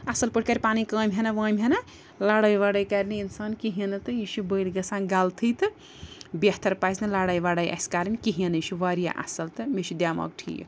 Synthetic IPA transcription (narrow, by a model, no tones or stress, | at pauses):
ɐsɐlpɨʈʰkaɾʲpaːnikəːmʲɦenaʋɐːmʲɦena | laɽɐjʋaɽɐjkaɾniinsaːnkiɦinɨt̪ɨiʃubəjlɡɐsaːnɡalt̪ʰɨjt̪ɨ | bjɐht̪ɐɾpajsnɨlaɽajʋaɽɐjʔɐ̰skaɾmʲikiɦɐniʃuʋɐɾja̰ʔɐ̰sɐlt̪ɨmeʃud̪ʲjamɐ̰k̚ʈʰḭj̰